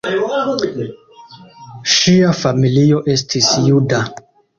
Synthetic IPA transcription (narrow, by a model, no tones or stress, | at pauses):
ʃiafamilio̞ʔe̞stʰisjuda